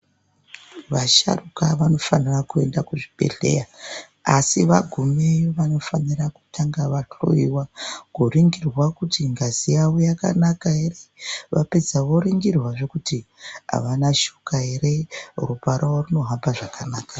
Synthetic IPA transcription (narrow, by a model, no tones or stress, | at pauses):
ʋaʃa̰rukaʋano̞fanirakue̞ndakuʐibe̞̰ɮe̞̰ja | asiʋaɡʱumejoʋano̞faniraku̥tʰaŋɡaʋaɬo̰iwakuriŋɡirwakutiŋɡazijawojaka̰nakaere̞ʋape̞d͡zaʋo̞ɾiŋɡirwaʐe̞kutiɦa̰ʋanaʃukaɦeɾe̞rupaɾaworuno̞ɦambaʐakanaːka